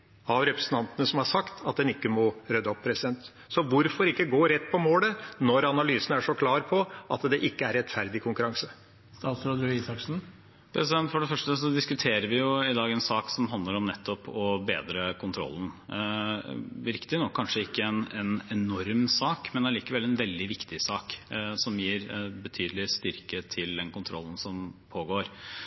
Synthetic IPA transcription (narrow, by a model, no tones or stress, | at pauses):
ɑʋɾɛpɾəsn̩t̪ɑnt̪ənəsɔmhɑʂɑkt̪ʰɑt̪̚d̪ɛnɪkːəmɔɾœd̪əɔpʰːɾɛsɪd̪ɛnt̪ | sɔʋʊɾfɔɾɪkːəɡoːɾɛt̪ːpʰɔmoːlənɔɾɑnɑlyːsn̩æʂɔkʰlɑːɾpʰɔʔɑ̰t̪d̪ɛʔɪkːəæɾɛt̪fæɾd̪ɪkʰʊŋkʉɾɑŋsə | st̪ɑːt̪sɾɑd̪ʉisɑksn̩ | pʰɾɛsɪd̪ɛnt̪fɔɖɛfœʂʈəsɔd̪ɪskʉt̪ʰeːɾəɾʋɪjʊɪd̪ɑːɡɛnsɑːksɔmɦɑnd̪ləɾɔmnɛt̪ʰːɔpɔbeːd̪ɾəkʰʊnt̪ʰɾɔ̰lːn̩ | ʋɪɾkt̪ɪnɔkʰːɑnʂəɪkːəɛnɛnɛnɔɾmsɑːkmɛnliːkəʋɛlːɛnʋɛld̪ɪʋɪkt̪ɪsɑːksɔmjiːɾbət̪ʰyːd̪əlɪst̪ʏɾkət̪ʰɪld̪ɛnkʊnt̪ʰɾɔ̰lːn̩sɔmpʰoːɡoːɾ